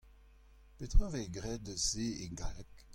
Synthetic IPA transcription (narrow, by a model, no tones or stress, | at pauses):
pet̪χɑ̃vɛɡʁɛd̪əzeeɡalɛk